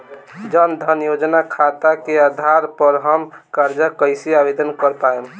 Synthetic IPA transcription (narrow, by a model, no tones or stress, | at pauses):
d͡ʒənd̪ʱənjod͡ʒnakʰat̪akead̪ʱaɾpəɾɦəmkaɾd͡ʒəkəɪsiabed̪ənkəɾpaem